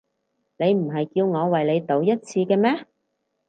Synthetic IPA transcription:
ne˨˧jm̩˨˩ɦɐ˨jkiː˧wŋɔː˨˧wɐ˨jle˨˧jt̪o˨˥wjɐ˥t̚t͡sʰiː˧kɛː˧mɛː˥

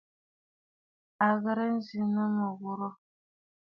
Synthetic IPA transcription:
a˨ɣə˨ɾə˦n̩˦zi˨nə˦mə˨ɣu˦ɾɔ˦

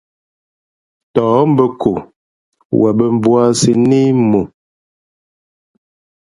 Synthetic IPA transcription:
tɔː˨˦m̩˦bə˦kʰo˨ | wa˨bə˨m˦bwa˦si˦ne˦mo˨

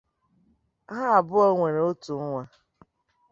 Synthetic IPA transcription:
ɦa˦a˨bʊ˦ɔ˦ŋʷe˨ɾe˨˦o˦tu˨˦ŋʷa˦

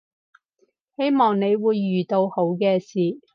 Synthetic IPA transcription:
he˥jmɔː˨ŋne˨˧jwuː˨˧jːyː˨˩t̪o˧who˨˥wkɛː˧siː˨˩

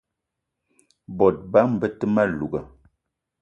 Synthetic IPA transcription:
bɔ˨t̚ba˦m̩˨bə˦tə˦ma˦˨lu˨ɡə˨

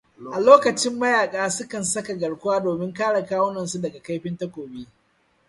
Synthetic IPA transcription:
ʔa˨loː˦kɐ˨t͡ʃɪ˦mːɐ˦jaː˨kʼaː˦sʊ˦kɐ˨nsɐ˦ka˨ɡɐ˨ɽkʷʊ˦waː˦doː˨mɪ˦ŋkaː˦ɽɐ˨kaː˦wʊ˦nɐ˨nsu˦dɐ˨ɡa˨ka˦jɸɪ˦ntɐ˦kʷoː˨biː˦

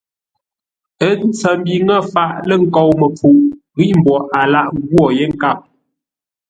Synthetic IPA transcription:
ə˦n˦t͡sə˨m˦bi˨ŋə˦˨fa˦˨ʔlə˦˨ŋ̩˨kɔ˨wmə˨p͡fu˨ʔ | ɣi˦m̩˨bɔ˨ʔa˨la˦˨ʔɣwɔ˦˨je˦ŋ̩˦˨ka˦˨p̚

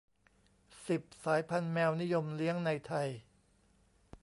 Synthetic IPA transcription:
si˨˩p̚saː˩˦jpʰa˧nmɛː˧wni˦˥jo˧mli˦˥əŋna˧jt̪ʰa˧j

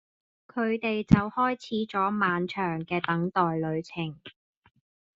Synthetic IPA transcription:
kʰɵ˨˧ɥt̪e˨jt͡sɐ˨whɔː˥jt͡sʰiː˨˥t͡sɔː˨˥maː˨˧nt͡ʃʰœː˨˩ŋkɛː˧t̪ɐ˨˥ŋt̪ɔː˨jlɵ˨˧ɥt͡sʰɪ˨˩ŋ

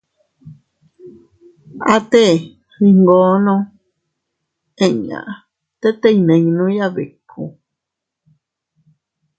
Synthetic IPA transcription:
a˦˧t̪e˦˨ | hi˧ŋɡoː˨˦nõ˦ | ẽ˨ɲã̰˨ʔ | t̪e˦t̪e˦i˨nẽ˨˧ŋnũ˦ja˦βe˨kʰṵ˧

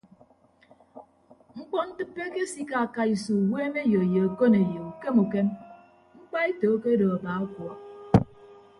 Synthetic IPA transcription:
ŋ͡m̩˦k͡pɔ˦n̩˦tɨ˦pːe˦ke˦si˦ka˨a˨ka˨i˨su˨weː˦me˦jo˨je˨a˨ko˦ne˨jo˨u˨ke˦mu˨ke˦m | ŋ͡m̩˦k͡pa˦e˦toː˨˦ke˦dɔ˨a˨baː˨˦a˦kwɔ˨

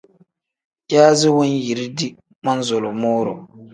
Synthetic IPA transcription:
ka˦zɪ˦wʊ˦nji˨ɾi˦di˦ | ma˦nzo˨lʊ˨moː˦ɾʊ˨

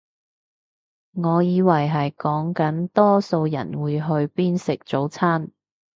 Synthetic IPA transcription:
ŋɔː˨˧jiː˨˧wɐ˨˩jɦɐ˨jkɔː˨˥ŋkɐ˨˥nt̪ɔː˥so˧wjɐ̰˨˩nwuː˨˧jɦɵ˧ɥpiː˥nsɪ˨k̚t͡so˨˥wt͡sʰaː˥n

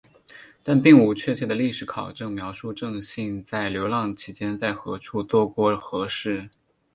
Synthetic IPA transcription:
t̪a˥˧npi˥˩ŋu˧˥t͡ɕʰɥɛ˥˧t͡ɕʰjɛ˥˩d̪ə˩li˥˩ʂɻ̩˧˥kʰɑ˨˩ʊʈ͡ʂɤ˥˩ŋmjɑ˧˥ʊʂu˥˧ʈ͡ʂɤ˥˧ŋɕi˥˧ŋt͡sa˥˩ɪljo˧˥ʊlɑ˥˩ŋt͡ɕʰi˧˥t͡ɕjɛ˥nt͡sa˥˩ɪxɤ̰˧˥ʈ͡ʂʰu˥˩t̪wɔ˥kwɔ˧˥xɤ˧˥ʂɻ̩˥˩

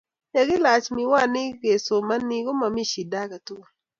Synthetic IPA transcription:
ne˨ɡɪ˦la˨t͡ʃmɪ˨wa˦˨nɪ˦ɡe˨so˨ma˦ni˨ɡo˦ma˨mi˦ʃi˨da˦ka˨tʊ˦˨

